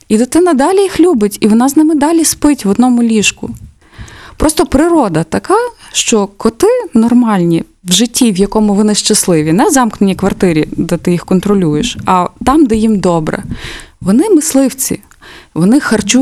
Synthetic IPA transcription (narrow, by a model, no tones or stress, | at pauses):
id̪ɪt̪ɪnɐd̪ɑlʲijixlʲubɪtʲiʋɔnɑznɪmɪd̪ɑlʲispɪtʲʋɔd̪nɔmʊlʲiʃkʊ̰ | pɾɔst̪ɔpɾɪɾɔd̪ɐt̪ɐkɑʃt͡ʃɔkɔt̪ɪnɔrmɑlʲnʲi | ʋʒɪtʲːiʋjɐkɔmʊʋɔnɪʃt͡ʃɐslˠɪʋʲinɛzɑmknenʲikʋɐrt̪ɪɾʲid̪ɛt̪ɪjixkɔnt̪ɾɔlʲujeʃɐt̪ɑmd̪ɛjimd̪ɔbɾɛ̰ʋɔnɪmɪslˠɪwt͡sʲḭ | ʋɔnɪxɐrt͡ʃu